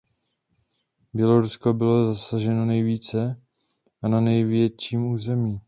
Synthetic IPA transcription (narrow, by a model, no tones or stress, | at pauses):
bjɛlo̞ɾusko̞bɪlo̞zasaʒɛnonɛjviːt͡sɛ | ʔananɛjvjɛt͡ʃiːmuːzɛmiː